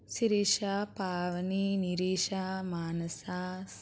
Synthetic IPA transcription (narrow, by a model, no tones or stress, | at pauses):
siɾiːʃaːpaːʋɐniniɾiːʃaːmaːnɐsaːs